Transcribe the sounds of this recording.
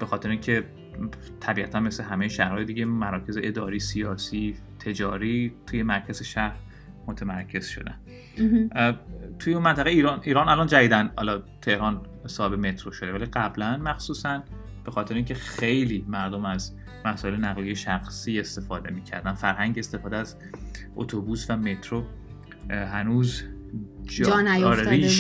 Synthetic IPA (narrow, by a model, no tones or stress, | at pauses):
b̥exɒːt̪e̞ɾeĩŋcʰe̞ | t̪ʰæbiæt̪ʰænmesleɦæme̞jeʃæhɾɒːjed̪iɟemæɾɒːcʰe̞zeʔed̪ɒːɾiːsiɒːsiː | t̪ʰe̞d͡ʒɒːɾiːt̪ʰujemæɾcʰæzeʃæhɾ | mot̪ʰemæɾcʰe̞z̥ʃo̞̰d̪æ̰n | t̪ʰujeunmænt̪ʰæɣeiːɾɒːnʔiːɾɒːnælɒnd͡ʒæviːd̪ænhɒ̰lɒt̪ʰe̞hɾɒːn | sɒːhebeme̞t̪ʰɾoʃo̞d̪æliɢæblænmæxsuːsæn | b̥e̞xɒːt̪ʰeɾeĩŋʲcʰe̞xe̞jliːmæɾd̪omæz | mæsɒːelenæɣlijeʃæxsiːe̞st̪e̞fɒːd̪e̞̰miːcʰæ̰ɾd̪ænfæɾɦæŋɟest̪e̞fɒːd̪eæz | ʔo̰t̪ʰobuːsvæme̞t̪ʰɾo | ɦænuːz | d͡ʒɒnæjoːɾeɾiːʃ